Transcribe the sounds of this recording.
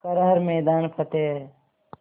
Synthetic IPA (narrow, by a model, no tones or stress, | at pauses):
kɐɾɐɦəɾmeːd̪aːnpʰɐt̪eː